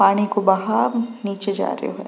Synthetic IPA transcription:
aːɽ̃ikobɐɦaɾniːt͡ʃed͡ʒa̰ːɾḭo̰ɦɛ̰ː

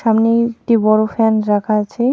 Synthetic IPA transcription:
ʃamneekʈibɔɾofɛnɾakʰaat͡ɕʰe

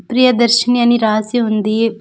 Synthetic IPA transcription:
pɾijɐd̪ɐɾʃɐnijɐniɾaːsiund̪i

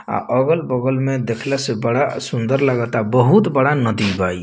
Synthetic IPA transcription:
a̰ʔəɡəlbəɡəlmed̪ekʰlɛsebəɽasund̪əɾləɡət̪abəɦut̪bəɽanəd̪ibai

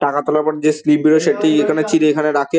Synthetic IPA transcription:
ʈakat̪ɔlapɔnd͡ʑeslibiɾoʃeʈijekʰanet͡ɕilekʰaneɾakʰe

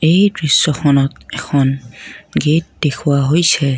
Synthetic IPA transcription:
ejbɹisːɔxʰɔnɔtɛkʰɔnɡet̚dekʰuwaɦojsʰɛ

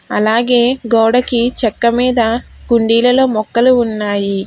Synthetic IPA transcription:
ɐlaːɡe̞ːɡɔːɽɐkit͡ʃɛkːɐmiːd̪ɐɡuɳɖiːlɐlo̞ːmɔkːɐluːnːaːji

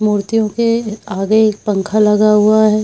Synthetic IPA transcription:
muːɾt̪ijõkeaːɡekpɐ̃ŋkʰalɐɡaɦʊaɦɛː

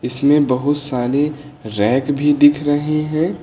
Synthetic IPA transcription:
ɪsmẽbɐɦʊt̪saːɾe | ɾɛːkbʱid̪ɪkʰɾəɦeɦɛ̃ː

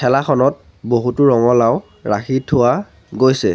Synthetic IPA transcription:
kʰɛlaxʰɔnɔt̚ | boɦutʊɹɔŋɔlaʊ | ɹaxʰitʰːʊwa | ɡojsɛ

